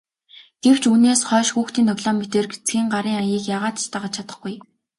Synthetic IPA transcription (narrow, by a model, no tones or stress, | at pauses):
ɡ̥ew̥t͡ɕuneːsχœːʃxuːxt̪iːnt̪ʰɔɣɮɔːmet̪eːrɡet͡sɡʲiːŋɢaɾiːŋajiːkjaːʁaːt̪t͡ɕt̪aːʁə̆t͡ɕʰat̪ə̥̆χɡuj